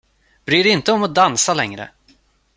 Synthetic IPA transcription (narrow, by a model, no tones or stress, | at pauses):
b̥ɾiːɾɛɪnt̪əɔmɔd̪ansalɛŋɾə̰